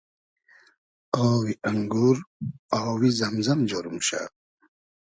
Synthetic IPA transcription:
oːwiʔɐŋɡuɾawizɐmzɐmd͡ʑoɾumɕa̰

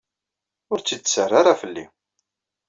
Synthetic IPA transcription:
ʊɾt͡sːid̪sərˤːaɾafəlːi

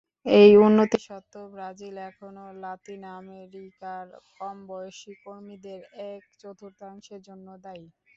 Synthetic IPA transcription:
ejunːot̪iʃɔt̪ːobɾad͡ʑilɛkʰonolat̪inameɾikaɾkɔmbɔjoʃikoɾmid̪eɾɛk̚t͡ɕot̪ʰuɾt̪aŋʃeɾd͡ʑonːod̪aj

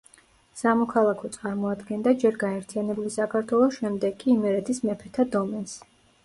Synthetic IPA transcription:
samɔkʰalˠakʰɔt̪sʼaɾmɔad̪ɡɛnd̪ad͡ʒɛɾɡaɛɾt̪ʰianɛbulisakʰaɾt̪ʰwɛlˠɔsʃɛmd̪ɛɡʼiːmɛɾɛt̪ʰismɛpʰɾɛt̪ʰad̪ɔmɛns

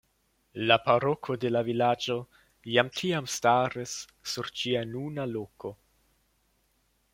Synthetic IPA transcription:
lapaɾo̞kʰo̞de̞lavilad͡ʒo̞ | jamtʰiamstaɾisː | uɾt͡ʃianunalo̞ko̞

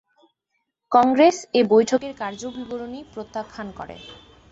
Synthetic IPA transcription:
kɔŋɡɾesebojʈʰokeɾkaɾd͡ʑobiboɾonipɾot̪ːakʰːankɔ̰ɾḛ

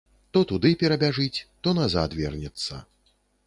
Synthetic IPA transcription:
t̪ɔt̪ud̪ɨpʲɛɾɐbʲaʐɨt͡sʲt̪ɔnaza̰t̪vʲɛrnʲɛt̪sːɐ̰

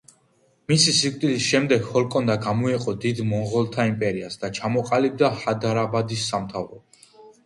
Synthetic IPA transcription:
misisikʼt̪ʼilisʃɛmd̪ɛɡ̥hɔlˠkʼɔnd̪aɡamɔiqʼɔd̪id̪mɔɴʁɔlˠt̪ʰaimpʼɛɾiasd̪at͡ʃʰamɔqʼalib̚d̪ahad̪aɾabad̪isːamt̪ʰavɾɔ̰

